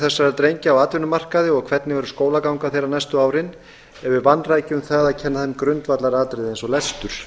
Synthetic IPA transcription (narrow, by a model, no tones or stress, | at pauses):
θɛsːaɛɾt̪ɾejɲcɪawaːt̪vʏnʏmar̥kaðɪɔɣkʰv̥ɛt̪nɪvɛɾʏskoːwlakawŋkaθejranɛjst̪ʏaːwɾɪn | ɛɾvɪvanːraːjcʏmθaɣðacʰɛnːaθɛnːkɾʏnt̪vat̪laɾaːt̪ɾɪðensɔlɛst̪ʏɾ̥